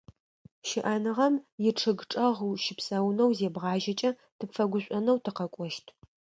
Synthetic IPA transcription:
ʃɪʔɐnɨʁɐmjɪʈ͡ʂʰɨɡʈ͡ʂʼɐʁwʃɪpsʼɐwnɐwzeːbʁɑːʒɐt͡ʃʼɐ | tʰɨpfɐɡʷʊɕʷʼɔnɐwtʰɨqɐkʷʼɔʃtʰ

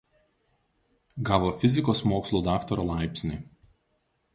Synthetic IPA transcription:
ɡɑːʋoːfʲɪzʲɪkoːsmoːkslˠuːd̪ɑːkt̪ɔɾoːlˠɑˑɪpʲsʲnʲɪ

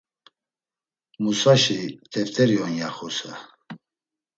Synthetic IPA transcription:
musaʃit̪ʰɛft̪ʰʼɛɾiɔnjaχusa̰

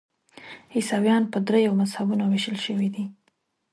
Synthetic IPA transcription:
hɪsɑwjɑnpəd̪ɾejawmazhabunoweʃəlʃəwid̪i

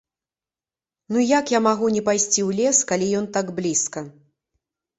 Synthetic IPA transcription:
nujakjamaɣunʲɛpajsʲt͡sʲiwlʲɛskalʲijɔnt̪aɡblʲiskɐ

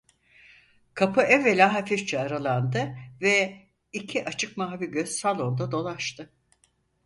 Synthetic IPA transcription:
kʰapʰɯʔɛvːelʲaɦafift͡ʃʰɛaɾalˠand̪ɯvɛ | icʰiʔat͡ʃʰɯk̚maɦaviɟøz̥salˠo̞nd̪ad̪o̞lˠaʃt̪ʰɯ

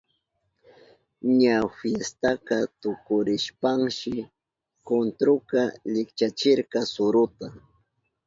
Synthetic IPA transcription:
ɲafjest̪akat̪ʊkʊɾɪʃpaŋʃɪ | kont̪ɾʊkaʎɪkt͡ʃat͡ʃɪɾkasʊɾʊt̪a

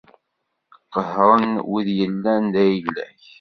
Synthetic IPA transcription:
qːəhɾˤənwiðjəlːænd̪æjəlæ̰ç

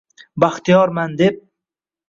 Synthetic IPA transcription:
baχt̪ʰijɒɾmand̪ep̚

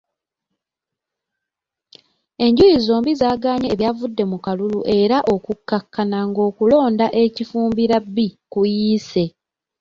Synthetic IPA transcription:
e̞ɲɟujizo̞ːmbizaːɡaːɲeːβjavudːe̞mukaluluʔe̞ɾaʔo̞kukːakːanaŋɡo̞ːkulo̞ːndaʔe̞cifuːmbiɾabːikujiːse̞

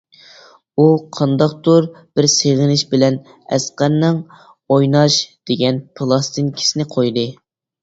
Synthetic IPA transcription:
uqʰɑnd̪ɑqt̪uɾ | b̥ɪɾseʁɪnɪʃbɪlɛn | ɛ̰sqæɾnːɨŋ | ojnɑʃd̪̥eɡʲɛnpʰɨlˠɑst̪ʰɨnkʲʰi̥sɪnɪqʰojd̪ɨ

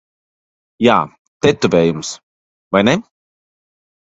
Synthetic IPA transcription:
jaː | t̪ɛt̪uvɛːjums | vajnɛ

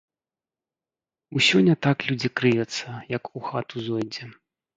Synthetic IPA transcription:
usʲɔnʲːɐt̪aklʲud͡zʲikɾɨjɛt̪sːɐjɐkuxat̪uzɔjd͡zʲɛ

